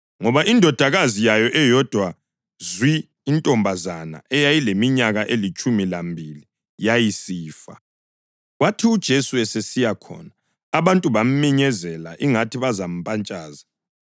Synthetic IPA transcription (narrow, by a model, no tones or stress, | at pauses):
ŋɔβaʔindʱɔd̥ʱaɣazijajɔʔɛjɔd̥ʱwa | zwiː | ntʼɔmbʱazana̰ʔɛjajilemiɲaɣaʔelit͡ʃʼumilambʱili | jajisiːfa̰ | ɣwatʰiud̥ʒ̥ʱesuɛsesijakʰɔ̰naː | βantʼuβam̩miɲɛzɛla̰ʔiŋatʰiβazam̩pʼant͡ʃʼaːza